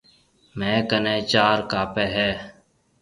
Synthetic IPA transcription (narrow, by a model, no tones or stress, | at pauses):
mɛ̃ːkənẽːt͡ʃaːɾkaːpeːɦɛː